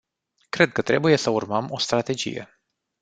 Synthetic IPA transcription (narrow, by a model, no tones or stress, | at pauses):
kɾe̞d̪̚kət̪ɾe̞buje̞səurməmo̞st̪ɾat̪e̞d͡ʒḭje̞̰